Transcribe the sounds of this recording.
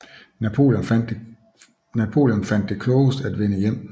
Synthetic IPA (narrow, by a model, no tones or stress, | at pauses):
næo̝̰lən̥ | næpʰo̝̰ːljɔnfæn̰d̥ːe̝kʰlɔːsd̥æd̥ʋenəjem̰